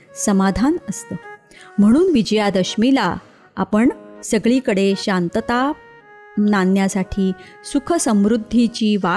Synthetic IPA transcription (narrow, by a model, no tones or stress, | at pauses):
səmad̪ʱanəst̪əː | m̤əɽ̃uːnʋid͡ʑəjad̪əɕmila | apəɳsəɡɭiːkəɽeɕant̪ət̪a | nanjasaʈʰiː | sukʰəsəmʋɾud̪ʱːit͡ɕiːʋa